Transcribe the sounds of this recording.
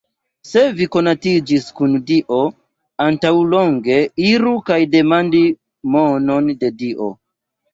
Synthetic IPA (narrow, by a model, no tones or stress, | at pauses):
se̞viko̞natid͡ʒiskundiʔo̞ | antawlo̞ŋɡe̞iɾukajde̞mandi | mono̞nde̞diʔo̞̰